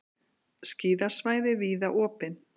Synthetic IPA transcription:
sciːðḁsvaːjðɪviːðaʔɔːpɪn

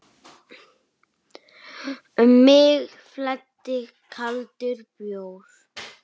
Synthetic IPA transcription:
mːɪɣ | flɛt̪ːɪ | kʰalt̪ʏɾpjoːwɾ̥

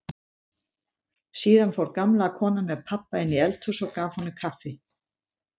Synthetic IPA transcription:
siːðanfawɾkamlaːkʰɔːnamɛðpʰapːaɪnːɪɛlt̪ʰʏsɔɣkaːv̥hɔnːʏkʰafɪ

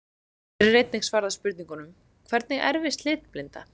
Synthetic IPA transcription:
ɾɪrːejt̪̚niŋsvaːɾðaspʏɾt̪niŋkʏnʏm | kʰvɛɾt̪nɪɣɛ̰ɾvɪst̪lɪːt̪plɪnt̪a̰

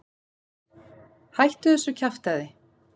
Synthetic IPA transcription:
hajht̪ʏθɛsːʏcʰaft̪aðɪ

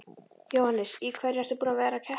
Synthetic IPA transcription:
jowhanːɪsikʰvɛɾjaɾ̥θɪpuːnavɛːɾacʰɛ

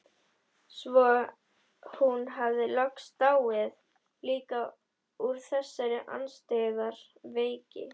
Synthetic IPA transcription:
svɔ | hunɦavðɪlœkst̪aːwvɪð | liːka | uɾ̥θɛsːaɾɪʔa̰nst̪eːðaɾ | veːjcɪ̰

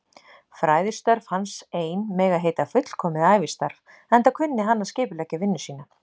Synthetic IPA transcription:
fɾaːjðɪst̪œɾv̥hanseːjnmɛːɣaɦejt̪afʏt̪l̥kʰɔːmɪðaːjvist̪aɾv | ɛnt̪akʰvʏnːɪɦanːascɪːpʏlɛcavɪnːɪsiːna

